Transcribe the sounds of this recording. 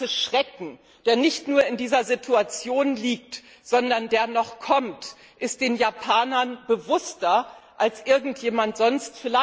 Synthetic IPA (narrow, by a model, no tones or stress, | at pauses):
əʃʁ̥ɛkŋ̩ | d̥eːɐnɪçtnuːɐɪndiːzɐzitʰuat͡sjoːnliːkt | z̥ɔndɐndeːɐnɔχkʰɔmt | ʔɪst̚d̥eːnjapʰaːnɐnbəvʊstɐʔalsʔɪɐɡŋ̩tjeːmantz̥ɔnstfɪla